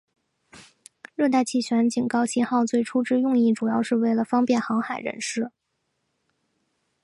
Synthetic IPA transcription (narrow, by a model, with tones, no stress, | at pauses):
ɻɤ˥˧t̪a˥˧ɪt͡ɕʰi˥˩ɕɥɛ˧˥nt͡ɕi˨˩nkɑ˥˧ʊɕi˥˧nxɑ˥˧ʊt͡swe˥˩ɪʈ͡ʂʰu˥ʈ͡ʂɻ̩˥jʊ˥˧ŋi˥˩ʈ͡ʂu˨˩jɑ˥˧ʊʂɻ̩˥˧we˥˩ɪlə˩fɑ˥ŋpjɛ˥˩nxɑ˧˥ŋxa˨˩ɪɻə̰˧˥nʂɻ̩˥˩